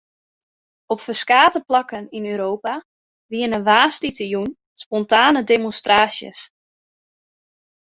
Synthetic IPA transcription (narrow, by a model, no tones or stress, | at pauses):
ɔpfəskaːtəplɑkəninøːɾoːpa | ʋiənənʋaːstitəjun | spɔntaːnədemonstraːsjə̰s